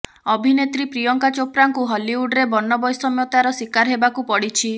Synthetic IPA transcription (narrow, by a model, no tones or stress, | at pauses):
ɔbʱinet̪ɾipɾijɔŋkat͡ʃopɾaŋkuɦɔliuɖɾebɔnːɔbɔjsɔmjɔt̪aɾɔswikaɾɦebakupɔɽit͡ʃʰi